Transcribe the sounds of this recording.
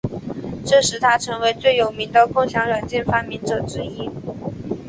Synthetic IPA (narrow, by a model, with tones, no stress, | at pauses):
ʈ͡ʂɤ˥˩ʂɻ̩˧˥t̪ʰa˥ʈ͡ʂʰɤ˧˥ŋwe˧˥ɪt͡swe˥˩ɪjo˨˩ʊmi˧˥ŋd̪ə˧kʊ˥ŋɕjɑ˧˥ŋɻa˨˩nt͡ɕjɛ˥˩nfa˥mi˧˥˩nʈ͡ʂɤ˨˩ʈ͡ʂɻ̩˧˥i˥